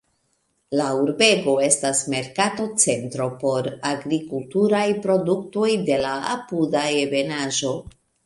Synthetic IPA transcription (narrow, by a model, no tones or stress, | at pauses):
lauɾbe̞ɡo̞e̞stasme̞ɾkato̞t͡se̞ntɾo̞po̞ɾaɡɾikultuɾajpɾo̞dukto̞jde̞laa̰pudaebe̞naʒo̞